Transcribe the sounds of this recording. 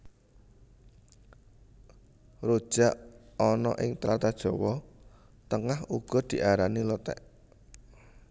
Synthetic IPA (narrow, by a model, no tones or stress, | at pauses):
rod̥ʒ̥aʔɔnɔʔɪŋt̪ɾat̪ad̥ʒ̥ɔ̤wɔ | t̪əŋahuɡ̥ɔ̤d̪̥i̤ʔaɾanilət̪ɛ̰ʔ